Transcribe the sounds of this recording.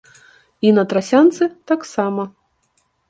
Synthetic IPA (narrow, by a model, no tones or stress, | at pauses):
inɐt̪ɾasʲant̪sɨt̪aksamɐ